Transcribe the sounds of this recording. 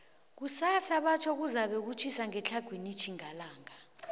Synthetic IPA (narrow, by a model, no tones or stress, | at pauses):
k̬usasaɓat͡ʃʰɔk̬uzaɓɛk̬ut͡ʃʰisaŋɛt͡ɬʰaɡ̥ʱwenit͡ʃʰiŋalaːŋa